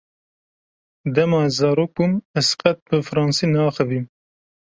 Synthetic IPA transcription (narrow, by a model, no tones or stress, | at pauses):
d̪ɛmɑːzɑːɾoːk̚bumɛsqɛt̪̚bɨfɾɑːnsinɑːxɨvim